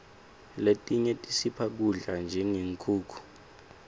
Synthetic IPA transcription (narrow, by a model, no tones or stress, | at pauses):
letʼiɲɛtʼisipʰak̬uɮand͡ʒʱɛŋeŋkʰuːkʰu̥